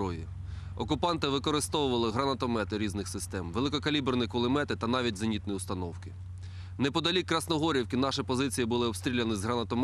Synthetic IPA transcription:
ɔji | ɔkʊpɑnt̪ɪʋɪkɔɾɪst̪ɔwʊʋɐlˠɪɦɾɐnɐt̪ɔmɛt̪ɪɾʲiznɪxsɪst̪ɛmʋelˠɪkɔkɐlʲibrnɪkɔlˠɪmɛt̪ɪt̪ɐnɑʋʲitʲzɐnʲit̪nijiʊst̪ɐnɔwkɪ | nɛpɔd̪ɐlʲikːɾɐsnɔɦɔɾʲiwkɪnɑʃɛpɔzɪt͡sʲijibʊlˠɪɔbst̪ʲɾʲilʲɐnɪzɦɾɐnɐt̪ɔm

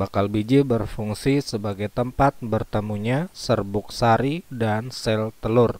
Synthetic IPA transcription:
bakalbid͡ʒibərfuŋsisəbaɡajt̪əmpat̪̚bərt̪əmuɲasərbʊksaɾidansɛlt̪əlʊr

